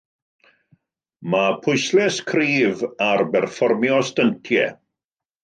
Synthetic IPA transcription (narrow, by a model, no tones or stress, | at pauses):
mapʰʊjslɛskʰriːvarbɛrfɔrmjɔstəntʰjɛ̰